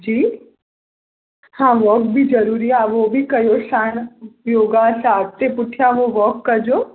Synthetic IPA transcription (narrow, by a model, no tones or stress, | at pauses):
d͡ʒiː | hãʋɔk̚bʱid͡ʒəɾuːɾiaʋobʱikɐjoʃanjoːɡãsaːkt̪epʊʈʰijaʋoʋɔkːəɾd͡ʒoː